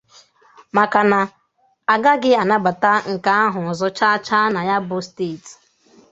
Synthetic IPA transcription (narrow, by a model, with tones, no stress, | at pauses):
ma˨ka˨na˨ | a˨ɡa˦ɡɪ˦a˨na˦ɡ͡ba˨ta˦ŋ̩˨ka˨˦a˦ɦʊ˨zɔ˦t͡ʃa˦t͡ʃa˦na˨ja˦bʊ˦ste˦˨t